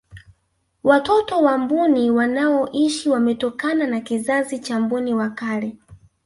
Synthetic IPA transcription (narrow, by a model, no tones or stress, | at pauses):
watɔtɔwambuniwanaɔʔiʃiwamɛtɔkananakizazit͡ʃambuniwakalɛ